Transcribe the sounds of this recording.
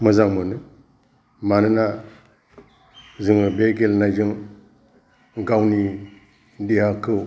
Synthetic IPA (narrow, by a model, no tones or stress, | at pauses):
mɯzaŋmɯnɯ | manɯna | zɯŋɯbeɡelnajzɯŋ | ɡawni | dihakʰɯ